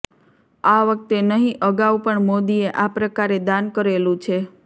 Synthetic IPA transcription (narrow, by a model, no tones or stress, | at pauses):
aʋək̚t̪enəɦĩʔəɡaʋpəɳmod̪ieʔapɾəkaɾed̪ankəɾelũt͡ʃʰe